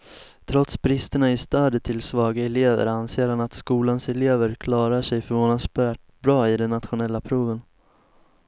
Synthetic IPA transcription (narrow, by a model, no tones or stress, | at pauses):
t̪ʰɾɔt̪sbɾɪst̪əɳaɪst̪œːd̪ət̪ʰɪlsvɑːɡaɛleːvə̰ɾanseːɾhanat̪skuːlansɛleːvəɾkʰlɑːɾaʂɛjfœɾvoːnad̪sbæːʈ | bɾɑːɪd̪ɛnːat̪ɧʊnɛlːapʰɾuːvən